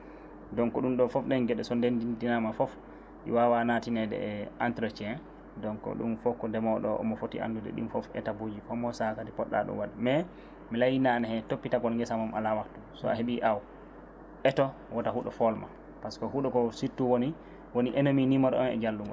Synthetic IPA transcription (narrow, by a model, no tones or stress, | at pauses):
dɔŋkɔɗumɗɔfɔfɗɛnɡɛɗɛsɔndendindinamafɔf | ḭwawanatinɛdɛ̰ɛantɾɔt͡ʃɛ | dɔŋkɔ̰ɗṵmfɔkːɔndɛmɔɗɔ̰ʔɔ̰mɔfotḭʔa̰ndudɛ̰ɗḭmfɔfɛ̰tabud͡ʒifɔmɔsakatipɔɗːa̰ɗɔ̰waɗɛmɛ | milajinanahɛtopːitaɡɔlŋɡɛsamamʔa̰lawaktusɔ̰aɦeɓiʔaw | ʔɛtɔ | wɔtaɦuɗɔfɔlma̰ | paskɔhuɗɔkɔsitːuwoni | woniʔenominimɔɗɔ̰ɔnɛ̰d͡ʒalːuŋɡɔ̰